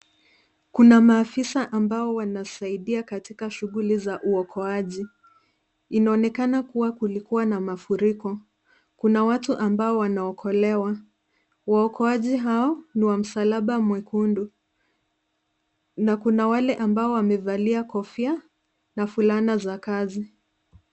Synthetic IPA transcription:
kunamaːfisaʔambaɔwanasaiɗiakatikaʃuɣulizaʔuɔkʰɔaʄi | inaɔnɛkanakuwakulikuwanamafuɾikɔ | kunawatuʔambaɔwanaɔkʰɔlɛwa | waɔkɔaʄiɦaɔniwam̩salaɓamwɛkʰundu | nakunawalɛʔambaɔwamɛvaliakɔfia | nafulanazakazi

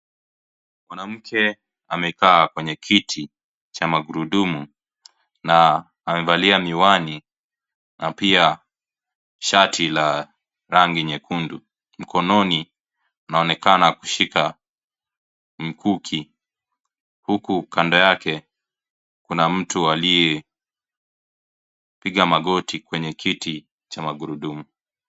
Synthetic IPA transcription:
kwanam̩kʰɛ | a̰mɛkaːkwɛɲɛkʰitʰi | t͡ʃamaɡuɾuɗumu | naː | mɛvaliamiwani | napia | ʃatʰila | ɾaŋɡiɲɛkʰundu | m̩kʰɔnɔni | unaɔnɛkanaku̥ʃika | m̩kʰukʰi | hukukandɔjakɛ | kunam̩tualijɛ | piɠamaɡɔtikwɛɲɛkʰiti | t͡ʃamaɡuɾuɗumu

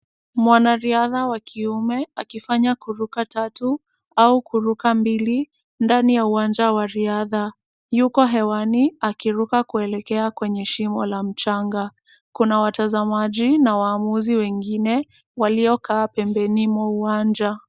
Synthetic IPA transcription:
mwanaɾiaðawakʰiumɛakifaɲakuɾukatatu | aukuɾukambili | ndanijauand͡ʒawaɾiaða | jukɔɦɛwaniakiɾukakuɛlɛkɛakwɛɲɛʃimɔ̰lam̩t͡ʃaŋɡa | kunawatazamaʄinawaːmuziwɛŋɡinɛ | waliɔkaːpɛmbɛnimwauand͡ʒa

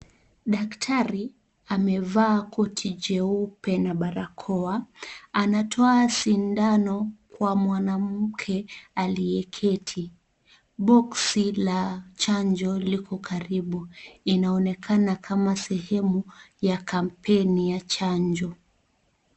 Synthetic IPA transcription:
ɗaktʰaɾi | amɛvaːkɔtʰid͡ʒɛupɛnaɓaɾakʰɔaanatʰɔasindanɔkwamwanamm̩kʰɛaliɛkʰɛtʰi | ɓɔksilat͡ʃaɲd͡ʒɔlikʰɔkʰaɾiɓuinaɔnɛkʰanakʰamasɛhɛmujakam̩pʰɛnijat͡ʃaɲd͡ʒɔ

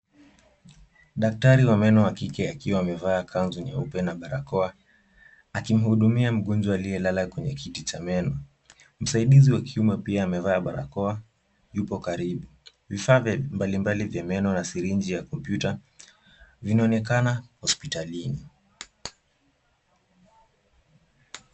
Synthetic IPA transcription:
ɗak̚taɾiwamɛnɔakikɛakiwaːmɛvaːkʰanzunja̰upɛnaɓaɾakɔa | akim̩huɗumiam̩ɠɔnd͡ʒwaalijɛlalakwɛɲɛkʰitit͡ʃamɛnɔ | m̩saiɗiziwakʰiumɛpiaːmɛvaːɓaɾa̰kɔa | jupɔkaɾiɓu | vifaːmbalimbalivjamɛnɔnasiɾind͡ʒijakɔmpjuta | vinaɔnɛkanahɔspitalini

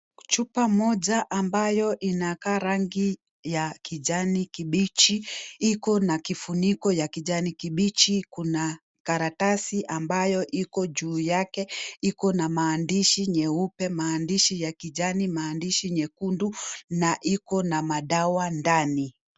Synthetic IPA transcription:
t͡ʃupamɔʄaʔambajɔʔinakaːɾaŋɡi | jakiʄanikiɓit͡ʃiikɔnakifunikɔjakiʄanikiɓit͡ʃikuna | kaɾatasiʔambajɔʔikɔʄuːjakɛikɔnamaːndiʃiɲɛupɛmaːndiʃijakiʄanimaːndiʃiɲɛkundunaʔikɔnamaɗawandani

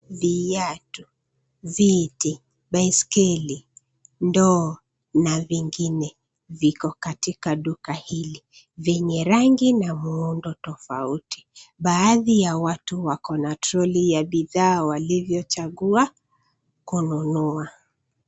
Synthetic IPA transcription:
vijatu | viti | ɓaiskɛli | ndɔː | naviŋɡinɛ | vikɔkatikaɗukahili | vɛɲɛɾaŋɡinamuundɔtɔfautʰi̥ɓaːðijawatuwakɔnatɾɔlijaɓiðaːwalivjɔt͡ʃaɠua | kununua

